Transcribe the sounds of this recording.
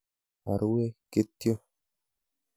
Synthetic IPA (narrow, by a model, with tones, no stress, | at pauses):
a̰˨ɾu˦we˦ke˦t̪ːjo˦